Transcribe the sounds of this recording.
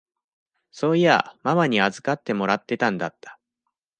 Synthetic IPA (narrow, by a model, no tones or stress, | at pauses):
so̞ːia̰mamaɲ̟iazɨkat̪ːe̞mo̞ɾat̪ːe̞t̪ãnd̪at̪ːḁ